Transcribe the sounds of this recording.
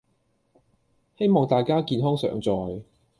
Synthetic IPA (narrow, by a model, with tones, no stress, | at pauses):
he˥jmɔː˨˩ŋt̪aː˨jkaː˥kiː˨˧nɦɔː˥ŋsœ̰ː˨˥ŋt͡sɔː˨j